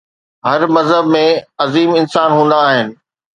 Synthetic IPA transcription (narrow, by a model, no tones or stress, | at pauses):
ɦɐɾmɐzɦəbmẽɐziːmɪnsaːnɦũːn̆d̪aːɦɪnɪ̆